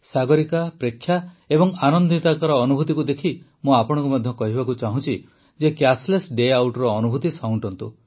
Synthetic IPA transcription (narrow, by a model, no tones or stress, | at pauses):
saɡɔɾikapɾekʰːja | ebɔŋanɔnd̪it̪akaɾɔːnubʱut̪ikud̪ekʰi | mũapɔɽ̃ŋkumad̪ʱjɔkɔɦibakut͡ʃaɦũt͡ʃʰi | d͡ʒekjaslesɖeawʈɔɾɔːnubʱut̪isauɳʈɔnt̪u